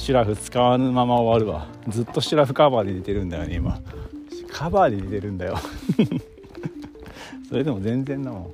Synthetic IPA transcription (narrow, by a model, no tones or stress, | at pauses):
ɕiɾaɸɯ̟t͡sɨ̥kaβanɯmamaoβaɾɯ̟βa̰ | d͡zɨt̪ːo̞ɕiɾaɸɯ̟kabaːɲinet̪e̞ɾɯ̟̃nd̪ajo̞̰neima̰ | kʰabaːɲʲid̪et̪e̞ɾɯ̟̃nd̪ajo̞ | so̞ɾe̞d̪e̞mo̞zẽ̞nd͡zẽ̞nːamo